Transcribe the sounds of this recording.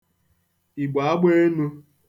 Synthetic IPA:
i˨ɡ͡ba˨a˦ɡ͡be˦nu˦

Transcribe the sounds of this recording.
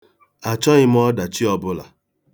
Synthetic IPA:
a˨t͡ʃɔ˦ɣɪ˦m̩˦ɔ˦da˨t͡ʃi˦ɔ˦bʊ˦la̰˨

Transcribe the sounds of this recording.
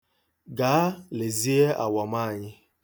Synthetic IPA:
ɡaː˨˦le˨zi˦e˦a̰˨wɔ˨m˦a˦a˨ɲɪ˦

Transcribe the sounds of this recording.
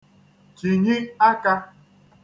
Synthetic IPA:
t͡ʃi˨ɲi˦a˦ka˦

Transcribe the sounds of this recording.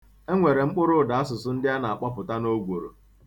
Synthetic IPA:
e˦ŋʷe˨ɾe˨ŋ͡m̩˦k͡pʊ˦ɾʊ˦˨da˨a˦s̬ʊ˨sʊ˦n̩˦dɪ˦a˦na˨a˨k͡pa˦pʊ˨ta˦no˦ɡʷo˨ɾo̰˨

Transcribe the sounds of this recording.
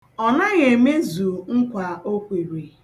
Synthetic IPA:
ɔ˨na˦ɣe˨me˦zu˨ŋ̩˦kʷa˨o˦kʷe˨ɾe˨

